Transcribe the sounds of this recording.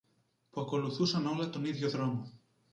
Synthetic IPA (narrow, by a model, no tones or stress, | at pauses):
puɐko̞luθusɐno̞lɐt̪o̞niðʝo̞ðɾo̞mo